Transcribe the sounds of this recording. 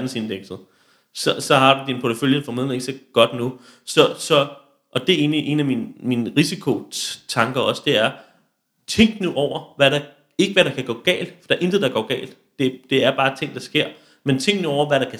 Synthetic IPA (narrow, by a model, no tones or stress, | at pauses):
d̥n̩se̝nd̥eɡ̥sð̩ˠ | sɒ̽sɒ̽hɑ̈d̥ud̥inpʰɒ̥əføljənfɒme̝ðˠn̩eɡ̥seɡ̥ɒ̽d̥nu | sɒ̽sɒ̽ | ʔɒ̽d̥e̝e̝ːniʔe̝̰ːnæminminəʁisikʰo̝t͡sʰɑ̈ŋɡ̥ɐɒ̽sd̥e̝æɐ | t͡sʰeŋ̰ɡ̥nuʔɒʊ̰ɐʋæɾɑ | e̝ɡ̥əʋæɾ̥ɑ̈kʰæɡ̥ɔ̰ːɡ̥ɛ̰ːld̥fɒd̥eɐʔe̝nd̥ð̩ˠd̥ɑ̈ɡ̥ɒ̰ːɡ̥ɛ̰ːld̥ | d̥e̝d̥e̝æɐb̥ɑ̈ːt͡sʰe̝ŋ̰d̥ɑ̈sɡ̥e̝ɐ̰ | ment͡sʰeŋ̰ɡ̥nuɒʊ̰ɐʋæɾɑ̈kʰæ